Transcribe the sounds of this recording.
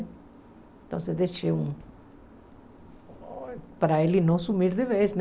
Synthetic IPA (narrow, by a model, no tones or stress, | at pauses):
t̪õsed̪eʃeũ | paɾaelinõsumiɾðeβesn